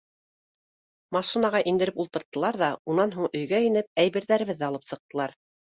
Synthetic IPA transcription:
mɑʃɤ̆nɑʁɑʔind̪ɘ̆ɾɘpulˠt̪ɤ̆ɾt̪ːɤ̆lˠɑɾðɑunɑnɦuɴɵ̆jɡæɘ̆nɘp̚æjβɘ̆ɾðæɾɘ̆βɘðːæɑlˠɤpsɤ̆q̚t̪ɤ̆lˠɑɾ

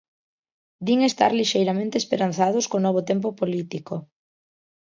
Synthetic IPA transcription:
d̪iŋest̪a̰ɾliʃejɾamẽnt̪espeɾan̟θað̞ʊskonɔβ̞ot̪emp̬opolit̪iko

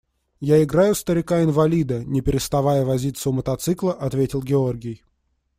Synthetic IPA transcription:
jaɪɡɾajʊst̪əɾʲɪkaɪnvɐlʲid̪ənʲɪpʲɪɾʲɪst̪ɐvajəvɐzʲit̪səʊmət̪ɐt̪sɨklˠəʔɐt̪vʲetʲɪlˠɡʲɪo̞rɡʲɪj

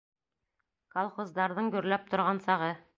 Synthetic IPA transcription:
kolˠχozd̪ɑɾðɤɴɡɵ̆ɾlæp̚t̪ŏɾʁɑnsɑʁɤ

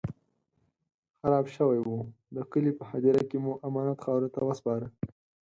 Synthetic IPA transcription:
xaɾɑbʃəwajwu | d̪əkəlipəhad͡ʒaɾakemuʔamɑnat̪xɑwɾot̪awəspɑɾə

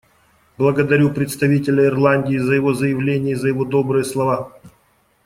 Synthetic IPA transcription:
blˠəɡəd̪ɐɾʲupɾʲɪt̪st̪ɐvʲitʲɪlʲəɪrlˠanʲdʲɪːzəjɪvo̞zəjɪvlʲenʲɪjəzəjɪvo̞d̪o̞bɾɨjəslˠɐva

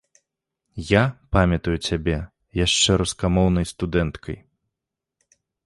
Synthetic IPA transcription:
japamʲɐt̪ujut͡sʲabʲɛ | jaʂt͡ʂɛɾuskamɔwnɐjst̪ud̪ɛnt̪kʰɐj

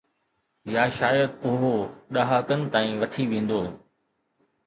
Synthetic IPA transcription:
jaːʃaːjəd̪̚poːɦoɗaɦaːkənɪ̆t̪aːĩːʋɐt̪ʰiʋẽːn̆d̪oː

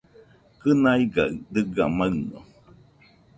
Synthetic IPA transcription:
kɨnaiɡa̰ɯdɨɡamaɯno̰

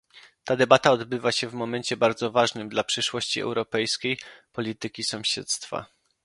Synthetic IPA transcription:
t̪ad̪ɛbat̪aɔd̪bɘvaɕɛvmɔmɛɲt͡ɕɛbaɾd̪zɔvaʐnɘmd̪lapʂɘʂwɔɕt͡ɕiɛ̰wɾɔpɛjskʲejpɔlʲit̪ɘkʲisɔ̃ɕɛ̰t̪st̪fa̰

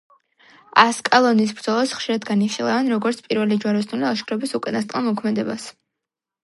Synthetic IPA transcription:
askʼalˠɔnis̬bɾd̪zɔlˠasχʃiɾad̪ɡaniχʃilˠavɛnɾɔɡɔɾt̪sʰpʼiɾvɛlid͡ʒwaɾɔsnuliaʃkʰɾɔbisukʼanast̪ʼqʼamɔkʰmɛd̪ɛbas

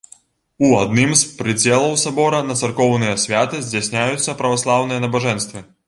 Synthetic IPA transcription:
uad̪nɨmspɾɨd͡zʲɛlˠɐwsabɔɾɐnɐt̪sɐrkɔwnɨjɐsʲvʲat̪ɨzʲd͡zʲasʲnʲajut̪sːɐpɾɐvaslˠawnɨjɐnɐbaʐɛnst̪vɨ

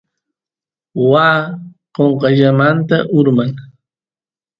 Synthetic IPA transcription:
waː | qoɴqɑʎamant̪aʔʊɾmaŋ

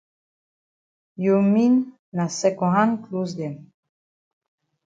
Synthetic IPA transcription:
jominː | asɛkɔɦãnklusd̪ɛm

